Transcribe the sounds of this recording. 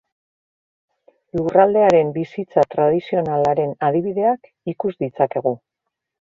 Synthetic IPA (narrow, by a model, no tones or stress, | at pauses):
lurald̪e̞aɾe̞mbisit͡sat̪ɾað̞isio̞nalaɾe̞nað̞iβ̞iðe̞ak | ikuzd̪it͡sake̞ɣ̞u